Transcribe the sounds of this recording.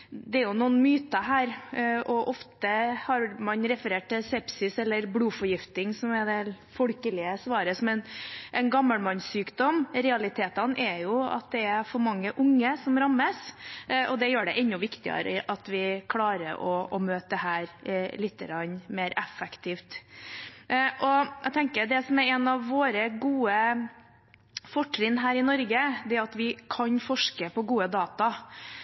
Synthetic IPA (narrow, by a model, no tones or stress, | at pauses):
d̪ɛæɾjʊnuːənmyːt̪əɦæːɾʔɔʔɔft̪əhɑɾmɑnɾɛfəɾeːʈ̚ʈ̪ɪsɛpsɪsɛlːəɾbluːfɔɾjɪft̪ɪŋsɔmɛd̪ɛ | fɔɽkəlɪəsʋɑːɾəsɔmɛnʔɛnɡɑmːəlmɑnsyːkd̪ɔmɾɛɑlɪt̪ʰeːt̪ɑnʔɛjʊɑ̰t̪̚d̪ɛæfɔɾmɑŋːəʔʊŋːəsɔmɾɑmːəsʔɔd̪ɛjøːɖɛʔɛnːʊʋɪkt̪ɪə̰ɾə̰ʔɑt̪ʋɪkʰlɑːɾə̰ɾʔɔɔmøːt̪əhæːɾlɪt̪ːəɡɾɑnːmeːɾɛfɛkt̪ʰiːft̪ | ʔɔæ̰ɡt̪ʰɛŋkəɾd̪ɛsɔmæɾɛnɑʋːoːɾəɡuːə | fɔʈːɾɪnːɦæːɾɪnɔɾɡəd̪ɛæɑt̪ʋɪkʰɑnfɔʂkəpɔɡuːəd̪ɑːt̪ɑ